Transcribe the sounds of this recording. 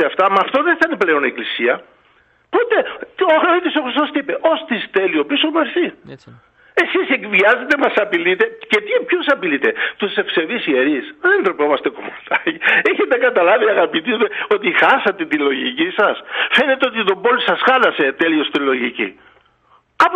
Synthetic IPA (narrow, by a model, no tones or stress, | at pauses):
eɐft̪ɐmɐːft̪o̞ðeθɐineple̞o̞neklisiɐ | pot̪e̞oɐxnoit̪isoxɾist̪o̞st̪ipe̞ʔo̞st̪ist̪elio̞pisomɐɾsi | e̞sise̞kviɐze̞t̪e̞mɐsɐpilit̪e̞cet̪ipçusɐpilit̪e̞t̪usse̞fse̞viseɾisðeend̪ɾopomɐst̪e̞komot̪ɐcieçet̪ekɐt̪ɐlɐviɐɣɐpit̪izmeo̞t̪ixɐsɐt̪et̪ilo̞ʝḭcisɐsfe̞net̪eo̞t̪it̪o̞bo̞lsɐsxɐlɐse̞t̪e̞lio̞st̪ilo̞ʝicḭ | ɐp